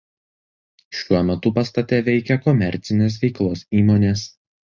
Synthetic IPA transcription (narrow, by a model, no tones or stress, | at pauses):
ʃʲuɔmʲɛt̪ʊpɐst̪ɐt̪ʲɛʋʲɛɪkʲɛkɔmʲɛɾʲˑt̪sʲɪnʲeːs̬ʋʲɛɪklˠoːsiːmoːnʲes